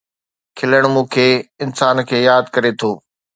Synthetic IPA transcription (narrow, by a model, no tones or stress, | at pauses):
kʰɪləɽ̃mũːkʰeɪnsaːnkʰeːjaːd̪kɐɾet̪ʰoː